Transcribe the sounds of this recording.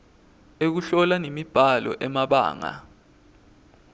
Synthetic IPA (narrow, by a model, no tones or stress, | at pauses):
ek̬uɬɔlanemib̥ʱalɔ̰ʔɛmaɓa̰ːŋa̰